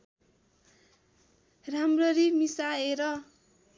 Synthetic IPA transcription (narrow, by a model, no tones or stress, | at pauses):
ramrʌɾimisaeɾʌ